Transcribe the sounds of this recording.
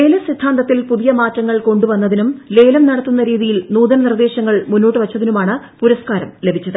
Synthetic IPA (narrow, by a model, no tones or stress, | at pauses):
le̞ːlɐsid̪ʱːaːnd̪ɐt̪ːilpuðijɐmaːtːɐŋːɐɭko̞ɳɖuʋɐnːɐðinumle̞ːlɐmnɐɽɐt̪ːunːɐɾiːðijilnuːd̪ɐnɐnird̪e̞ːɕɐŋːɐɭmunːo̞ːʈːɨʋɐt͡ɕːɐðinumaːɳɨpuɾɐskaːɾɐmle̞bʱit͡ɕːɐðɨ